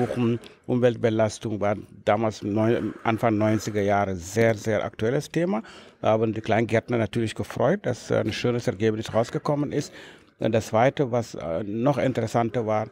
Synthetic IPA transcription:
ʊxn̩ʔʊmvɛlt̚b̥əlastʊŋvaːd̥aːmaːlsnɔʔa̰nfaŋnɔʏnt͡sɪɡɐjaːʁəzeːɐzeːɐʔa̰k̚tuɛləstʰeːmahaːbn̩diːkl̥aɪnɡɛɐtnɐnatʰyːɐlɪçɡ̥əfʁɔʏt̚d̥asnʃøːnəsɛɐɡeːpnɪsʁaʊsɡ̥əkʰɔmənʔɪst | ʔʊ̰nd̥ast͡sv̥aɪtəvasnɔχʔɪntəʁɛsantɐvaːʁ

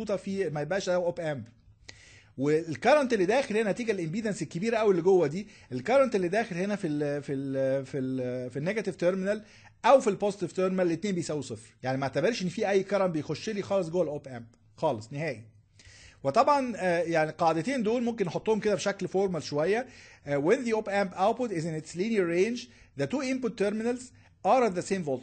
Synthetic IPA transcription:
uːt̪ˤɑfimæjebʔæːʃʔæwʔopʔæmb | welkɑɾˤɑnt̪elːid̪æːxelhenænæt̪iːɡælʔembiːd̪ænselkːebiːɾæʔæwilːɡowːæd̪iːʔelkɑɾˤɑnt̪elːid̪æːxelhenæfififilfinːeɡæt̪ivt̪eɾmɪnæl | ʔæwfilpoːzet̪ivt̪eɾmenælːet̪neːmbejsæwusˤefɾjaʕnimæʔat̪æbeɾʃʔenːfiːʔæjːkɑɾˤɑmbejxoʃːelixɑːlesˤɡowælʔoːpʔæmp̚ | xɑːlesˤneɦæːʔi | wet̪ˤɑbʕɑnːjaʕniqɑʕd̪et̪eːnd̪oːlmomk̬enːeħot̪ˤːohomked̪æbeʃæklfoɾˤmælʃowæjːæwenðiʔoːpæmpʔawt̪̚pot̪ʔezenet̪sliːnɑɾːeːnd͡ʒ | ðæt̪uːʔemput̪ːeɾmɪnælz | ʔɑɾˤɑðæseːmvoːlt̪

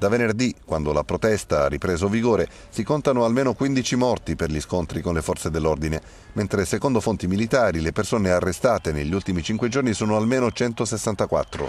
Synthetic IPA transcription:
d̪̥avenerd̪ikwand̪olapɾot̪ɛst̪aa̰rːipɾeːzoviɡoːɾe | sikont̪anoalmeːnokwind̪it͡ʃimɔrt̪iperʎiskont̪ɾikonlefɔrt̪sed̪elːord̪ine | ment̪ɾesekond̪ofont̪imilit̪aːɾilepersoːnearːest̪aːt̪eneʎːult̪imit͡ʃiŋkwed͡ʒornisoːnoalmeːnot͡ʃɛnt̪osesːant̪akwa̰t̪ːɾo̰

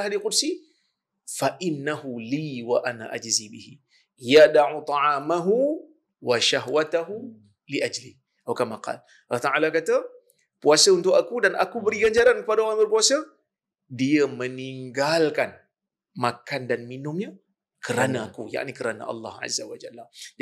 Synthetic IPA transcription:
ɦadiqʊdsi | faʔɪnːahuliwaʔana̰ʔad͡ʒzibihḭ | jadaʕut̪ˤɑʕaːmaɦu | waʃaɦwat̪aɦu | liʔad͡ʒlih | ʔawkamaqɑ̰l | ʔlat̪aʕalakat̪a | puasəunt̪ʊkakudanʔa̰kubəɾiɡaɲd͡ʒaɾankəpadaɔɾaŋbərpuasə | diəməniŋɡalkan | makandanminʊmɲa | kəɾanaakuja̰ʔnikəɾana̰ʔɑ̰lːɑ̰hʕa̰zːawad͡ʒalːa

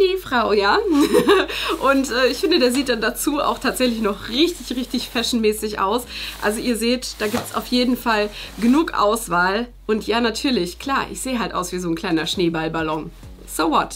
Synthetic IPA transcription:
d̥iːfʁ̥aʊjaː | ʔʊntʔɛːɪçfɪndədeːɐziːt̚d̥andat͡suːa̰ʊxtʰaːtz̥ɛçlɪçnɔχʁɪçtɪçʁɪçtɪçfɛʃn̩mɛːsɪçʔa̰ʊsʔa̰lzoʔiːɐzeːtd̥aːɡiːp̚tsa̰ʊfjeːdn̩falɡənuːkʔa̰ʊsv̥aːlʔʊntjaːnatʰyːɐlɪçkʰl̥aːʔɪ̰çz̥eːəɦaltʔa̰ʊsv̥iːzoːnkʰl̥aɪnɐʃneːbalbalɔŋ | z̥ovɔt

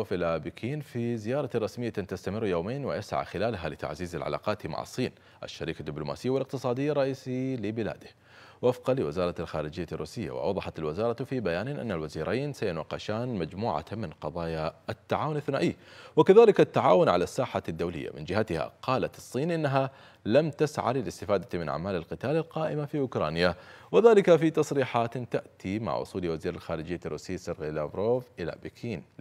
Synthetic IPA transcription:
filabikʰiːnfizɪjɑːɾˤɑrˤɑsmɪjːat̪ast̪amɪrːjoːmeːnwɪjasʕa̰xɪlaːlɦalɪt̪a̰ʕziːza̰lʕa̰la̰ːqɑːt̪ma̰ʕɑ̰sˤːiːn | ʔa̰ʃːaɾiːkad̪ːɪbluma̰ːsɪjːawɪlɪq̚t̪ɨsˤɑːd̪ɪjːarˤːɑʔiːsilɪbɪla̰ːd̪ɪh | wʔafqɑlɪwɪzɑːɾˤɑlxaːɾɪd͡ʒɪjːarˤːuːsɪjːa̰wɪʔɑ̰wðˤɑħɑt̪alwɪzɑːɾˤɑfibajaːnɪʔa̰nːalwaziːɾʔajnsajɪnwɑqːɪʃaːnmad͡ʒmuːʕa̰mɪnqɑðˤɑːjaat̪ːaʕaːwʊnʔaθnaːʔiːwɪkaðaːlɪkat̪ːaʕaːwʊnʕa̰lasːaːħad̪ːawlɪ̰jːa̰mɪ̰nd͡ʒɪhat̪ɪha̰qʰɑːlat̪ɑsˤːiːnʔɪnːaɦa | lamt̪asʕa̰lɪlɪst̪ɪfaːd̪amɪnʕa̰ʕmaːlalqɨt̪aːlalqɑːʔɪmafiʔʊkɾˤɑ̰ːnjawɪðaːlɪkafit̪ɑsˤɾiːħaːt̪t̪aʔt̪ima̰ʕʔʊ̰sˤuːliwaziːɾalxaːɾɪd͡ʒɪjːarˤːuːsɪːsɪɾɣːlaːvɾoːvʔɪla̰bikʰiːn

